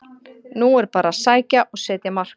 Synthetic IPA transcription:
nuɛɾpaːɾasaːjcaʔɔɣsɛːt̪jamar̥k

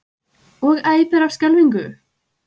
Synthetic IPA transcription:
ɔɣaːjpɛɾafskcɛlviŋkʏ

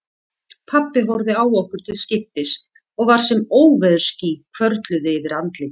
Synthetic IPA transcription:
pʰapːɪɦɔwɾðɪaːwɔhkʏɾ̥t̪ʰɪlscɪft̪ɪs | ɔɣvaɾ̥sɛmoːwvɛðʏ̥scikʰvœɾt̪lʏðɪɪvɪɾant̪lɪ

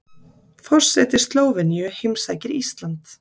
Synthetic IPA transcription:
fɔr̥sɛːt̪ɪ̥st̪loːwvɪniʏhejmsaːjcɪɾist̪lant̪

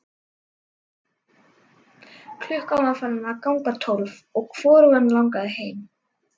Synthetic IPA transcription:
kʰlʏhkawnafaɾɪnakawŋpat̪ʰolvɔɣkfɔːɾʏɣanlawŋkaðheːjm

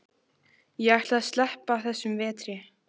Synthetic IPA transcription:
jɛɣajht̪laðst̪lɛhpaːwθɛsːʏmvɛːt̪ɾɪ

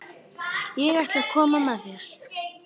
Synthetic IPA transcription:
jɛɣajht̪aðkʰɔːmamaðɛɾ̥

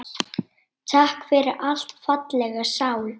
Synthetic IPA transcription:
t̪ʰahkfɛɾɪʔal̥t̪fat̪lɛɣasaːwl

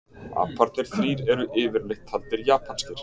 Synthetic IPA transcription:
a̰ːpʰaɾt̪nɪɾ̥θɾiːɾɛɾʏʔɪːvɪɾlɪxt̪ʰːalt̪ɪɾjaːpʰanst̪ɪɾ̥

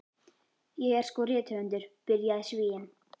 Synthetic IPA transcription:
jejaskoret̪ʰønd̪erperjaɕiwejən

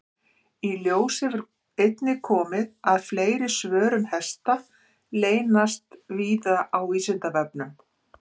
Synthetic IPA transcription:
iljoːwsɪvɛɾ | ejt̪nɪkʰɔːmɪðaðfleːjɾɪsvœːɾʏnhɛst̪a | leːjnast̪viːðaʔawiːsɪnt̪avɛpnʏm

